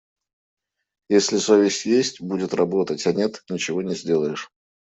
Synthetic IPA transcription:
jesʲlʲɪsovʲɪsʲjesʲtʲbudʲɪt̪rɐbo̞t̪ətʲɐnʲet̪nʲɪt͡ɕɪvo̞nʲɪzʲdʲe̞lˠəjɪʂ

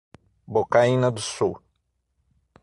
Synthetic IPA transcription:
bokaĩnɐd̪ʊsuw

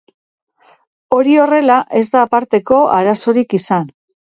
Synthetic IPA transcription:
o̞ɾio̞re̞laʔe̞zd̪aːpaɾt̪e̞ko̞aɾaso̞ɾikisan

